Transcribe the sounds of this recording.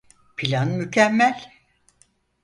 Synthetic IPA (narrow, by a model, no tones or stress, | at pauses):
pʰilʲanmycʰɛmːælʲ